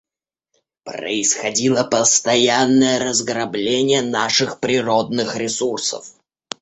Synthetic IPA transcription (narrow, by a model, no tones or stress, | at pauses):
pɾə̰ɪsxɐdʲilˠəpəst̪ɐjanːəjəɾəzɡɾɐblʲenʲɪjənaʂɨxpɾʲɪɾod̪nɨxɾʲɪsursə̰f